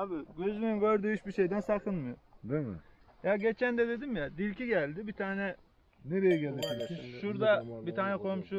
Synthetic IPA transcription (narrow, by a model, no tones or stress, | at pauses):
abiɟø̞zymyɡø̞ɾd̪yjyt͡ʃbiʃe̞jd̪ænsakʰɯnmɯjod̪emɪ̰ | jaɟe̞t͡ʃʰænd̪ɛd̪e̞d̪imjad̪iɾciɟælʲd̪ibit̪ʰaːnɛ | neɾejiɟelʲeb̪iɾʲsiʃuɾd̪abit̪ʰaːnɛkʰo̞mʃu